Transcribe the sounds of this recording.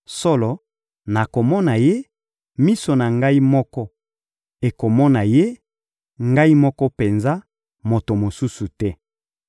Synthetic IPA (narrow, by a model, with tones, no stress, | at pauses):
so˦lɔ˨ | na˨ko˨mɔ˦na˨je˦ | mi˦so˨na˨ŋɡa˦i˦mɔ˦kɔ˦ | e˨ko˨mɔ˦na˨je˦ | ŋɡa˦i˦mɔ˦kɔ˦pe˨nza˦ | mo˨to˨mo˨su˦su˨tɛ˦